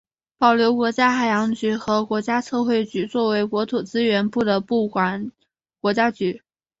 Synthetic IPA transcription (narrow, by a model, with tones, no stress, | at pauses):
pɑ˨˩ʊljo˧˥ʊkwɔ˧˥t͡ɕja˥xa˨˩ɪjɑ˧˥ŋt͡ɕy˧˥xɤ˧˥kwɔ˧˥t͡ɕja˥t͡sʰɤ˥˧xwe˥˩ɪt͡ɕy˧˥t͡swɔ˥˩we˧˥ɪkwɔ˧˥t̪ʰu˨˩t͡sɹ̩˥ɥɛ˧˥npu˥˩d̪ə˩pu˥˩kwa˨˩n | kwɔ˧˥t͡ɕja˥t͡ɕy˧˥